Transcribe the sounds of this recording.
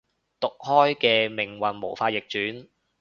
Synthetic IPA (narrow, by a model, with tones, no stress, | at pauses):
t̪ʊ˨k̚hɔː˥jkɛː˧mɪ˨˩ŋwɐ˨nmo̰˨˩wfaː˧t̚jɪ˨k̚t͡ʃyː˨˥n